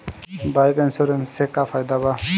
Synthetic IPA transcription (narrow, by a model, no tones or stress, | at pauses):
bajkansɔɾensekapʰajd̪aba